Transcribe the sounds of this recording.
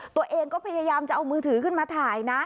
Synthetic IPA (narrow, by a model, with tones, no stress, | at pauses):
t̪u˧əʔeː˧ŋkɔː˥˩pʰa˧jaː˧jaː˧mt͡ɕa˨˩ʔa˧wmɯː˧t̪ʰɯː˩˦kʰɯ˥˩nmaː˧t̪ʰaː˩˦jna˦˥